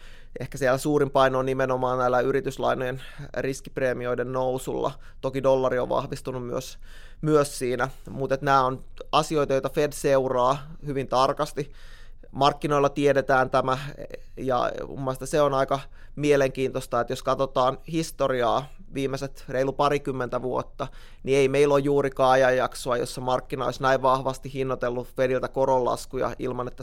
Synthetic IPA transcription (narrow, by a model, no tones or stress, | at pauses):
ehkæsielːæsuːrimpɑinoonimenomɑːnnæilːæyɾit̪yslɑ̰inojenriskipreːmioidennousṵlːɑ̰ | t̪okidolːɑrio̰ʋʋɑ̰hʋist̪unummyøs | myøssiːnæmut̪et̪næːon | ɑsiojt̪ɑjojt̪ɑfedseurɑː | hyʋint̪ɑrkɑst̪i | mɑrkːino̞ilːɑt̪iedet̪æːnt̪æmæ | jɑ̰ṵmːɑst̪ɑseonɑikɑ | mieleŋkiːnt̪ost̪ɑet̪joskɑt̪ot̪ɑːnhist̪oriɑː | ʋiːmːeset̪reilupɑɾikymːent̪æʋuo̰t̪ːɑ | nieimeilojjuːɾikɑːjɑjjɑksoɑjo̰sːemɑrkːinɑo̰isnæiʋʋɑhʋɑst̪ihinːot̪elːufedilt̪ækoɾolːɑ̰skujɑ̰ʔḭlmɑnet̪ːæ